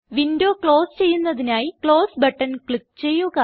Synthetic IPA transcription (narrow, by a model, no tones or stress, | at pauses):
ʋindo̞ːkɭo̞ːst͡ɕe̞jːunːɐðinaːjikɭo̞ːsbɐʈːɐnkɭik̚t͡ɕe̞jːuɣɐ